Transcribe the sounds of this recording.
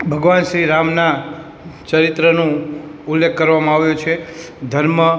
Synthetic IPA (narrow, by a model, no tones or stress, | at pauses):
bʱəɡʋanʃɾiɾamna | t͡ʃəɾɪt̪ɾənũulːekʰːəɾʋamãaʋjũt͡ʃʰe | d̪ʱəɾmə